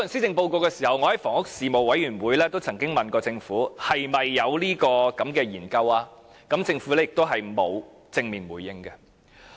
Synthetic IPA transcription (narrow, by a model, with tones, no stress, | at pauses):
nsiː˥t͡sɪ˧ŋpo˧wko˧wkɛː˧siː˨˩hɐ˨wŋɔː˨˧hɐ˨˦jfɔː˨˩ŋʊ˥k̚siː˨mo˨wwɐ˨˥jɥyː˨˩nwuː˨˧jlɛː˥t̪o˥wt͡sʰɐ˨˩ŋkɪ˥ŋmɐ˨nkɔː˧t͡sɪ˧ŋfuː˨˥hɐ˨jmɐ˨jːɐ˨˧wliː˥kɔː˧kɐ˨˥mkɛː˧jiː˨˩nkɐ˧waː˥ | kɐ˨˥mt͡sɪ˧ŋfu˨˥lɛː˥jɪ˨k̚t̪o˥wɦɐ˨jmo̰˨˧w | t͡sɪ˧ŋmiː˨nwuː˨˩jɪ˥ŋɡɐ˧